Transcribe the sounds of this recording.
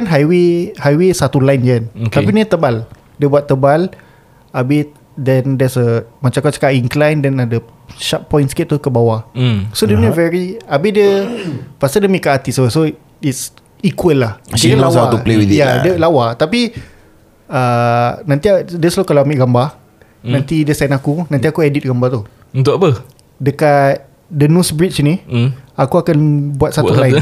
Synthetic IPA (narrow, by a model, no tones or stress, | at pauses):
anɦajwehajwesat̪ulajnd͡ʒanot̪apinət̪əbal | diəbuat̪ːəbal | abɪ | dɛndɛsəmãt͡ʃãkat͡ʃə̥kaʔiŋklajndɛnadə | ʃat̪̚pɔjnskɛt̚t̪ukəbawasodiənivɛɹiabidiəpast̪adəmikaʔat̪isoso | its | ikuwəlːahdəəlawauplewidjadəlawat̪api | ənãnt̪iadəslokalaamiʔɡamba | nãnt̪idəsajnakunãnt̪̬iakuɛdit̪̚ɡambat̪u | unt̪ʊʔapə | dəkat̪̚ | dənũsbɹit͡ʃnĩakuakanbuat̪̚sat̪ulaɪn